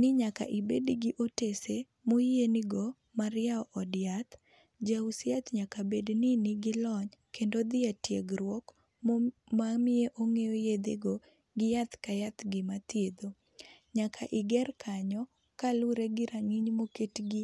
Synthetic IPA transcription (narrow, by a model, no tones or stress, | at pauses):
nɪɲaka̰ʔɪbedɡɪʔotese | mojenɪɡɔ | maɾɪaɔʔːdɪat̪ | d͡ʒausjat̪ɲakabednɪnɪɡɪlɔɲkʰendod̪ɪatjḛɡɾwɔk | mmamɪeʔoŋejojed̪ḛɡɔ | ɡɪjat̪kajat̪ɡɪmat̪jed̪o | ɲakʰaʔɪɡɛrkʰaɲɔ | kalʊɾeɡɪɾaŋɪɲmoketɡi